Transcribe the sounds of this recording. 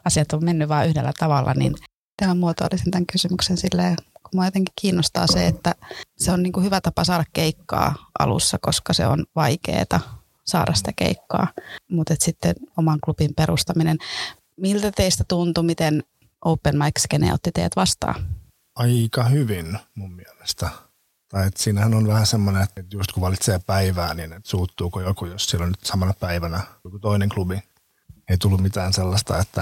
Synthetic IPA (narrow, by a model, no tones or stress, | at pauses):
ɑsiɑt̪ommenːyʋʋɑːʔyhdelːæt̪ɑʋɑlːɑ̰nḭn | t̪æmæmmuot̪o̰ːlːisent̪æŋkysymyksensilːeːkummæːjot̪eŋki̥kiːnːost̪ɑ̰ːseet̪ːæseonniːŋkuhyʋæt̪ɑpɑsɑːɾɑkkeikːɑ̰ːʔɑ̰lṵsːɑkoskɑsḛo̰nʋɑikḛːt̪ɑ | sɑ̰ːɾʔɑsi̥t̪ækḛikːɑ̰ːmut̪et̪sit̪ːenomɑŋklupimpeɾust̪ɑminen | milt̪æt̪eist̪æt̪unt̪umit̪en | ʔoupːenmɑikskenḛo̰t̪ːit̪ḛjæt̪ʋɑst̪ɑ̰ː | ɑikɑhyʋinmummiɛlest̪æ | t̪ɑiet̪siːnæhænonʋæhæsemːonenet̪ːet̪just̪kuʋɑlit̪seːpæiʋæːninet̪suːt̪ːuːkojokujossilonyt̪sɑmɑnɑpæiʋænæjokut̪oineŋklubi | eit̪ulːummit̪æːnselːɑst̪ɑet̪ːæ